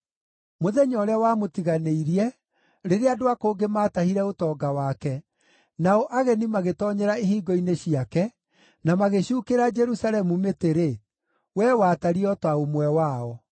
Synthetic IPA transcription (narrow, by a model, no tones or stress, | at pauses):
moðɛɲɔɾɛwamotiɣaneiɾiɛ | ɾeɾeadoakoɡemaːtahiɾɛotɔːɡawakɛ | naɔʔaɣɛnimaɣetɔɲɛɾaeɦiːɡɔineɕiakɛ | namaɣeɕuːkeɾad͡ʒɛɾusaɾɛmumeteɾe | wɛwaːtaɾiɔtwaomwɛwaːɔ